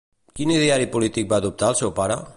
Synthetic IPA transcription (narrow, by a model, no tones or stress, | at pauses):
kiniðeaɾipulit̪ik̚baːðup̚t̪aəlˠsɛwpaɾə̰